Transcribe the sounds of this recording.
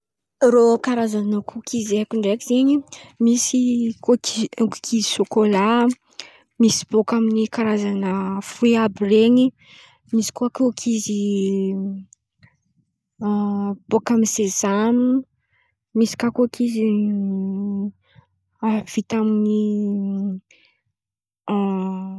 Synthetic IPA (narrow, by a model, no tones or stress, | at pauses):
rokaɾazanəkʰukʰizekuɳɖ͡ʐekiz̥eɲimisikoikkʰiziʃokola | misi̥b̥okaminikaɾazanəfuiabireɲi | misi̥kuakokʰizi | b̥okaminsezami | misi̥kakokʰizi | av̥it̪amini